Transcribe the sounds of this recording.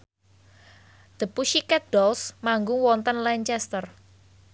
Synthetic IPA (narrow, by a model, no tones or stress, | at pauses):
d̪̥ə̤puʃikɛt̪̚d̥ɔlsmaŋɡʊŋwɔnt̪ənlɛɲt͡ʃɛst̪ər